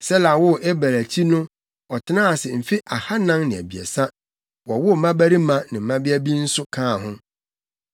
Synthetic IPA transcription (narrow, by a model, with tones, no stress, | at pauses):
sɛ˦la˨wʊ˦ʔɛ˦bæ˨ɾæ˨tʰi˦nʊ̃˦ | ɔ˨tʰɪ˦nãː˦a˨sɪ˨m̩˨fi˦ʔa˨ha˦nã˦ŋnɪ̃˨æ̰˨bi˨ɛ̰˨sa˦ | wɔ˨wʊ˦˨mã˦bæ˦ɾi˦mã˦nɪ̃˨m̩˨˦mã˦bɪ˦æ˦bi˦n̩˦sʊ˦kʰãː˦˨ɦʊ̃˦